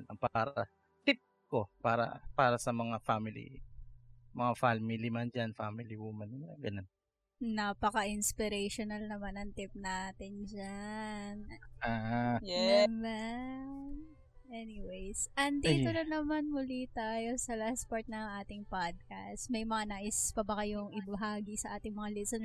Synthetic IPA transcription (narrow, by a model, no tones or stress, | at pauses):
nɐŋpaːɾɐ | t̪ɪp̚ko̞paːɾɐ̰paːɾɐsɐmɐŋafamɪlḭ | mɐŋafalmɪlimand͡ʒanfamɪliwuːmɐnɐŋɡɐnon | naːpɐkɐʔɪnspɪɾejʃonɐlnɐmanɐŋt̪ɪp̚nat̪ɪnd͡ʒanaːjɛman | ʔɛniwejsʔɐnd̪ːt̪oɾɐnɐmanmʊlit̪aːjo̞sɐlaspoɹt̪̚nɐŋʔaːt̪ɪŋpad̪̚kɐ̰st̪mɐjmɐŋanaːʔɪspɐbɐkɐjoŋɪbɐɦaːɡisɐʔaːt̪ɪŋmɐŋalɪsɛn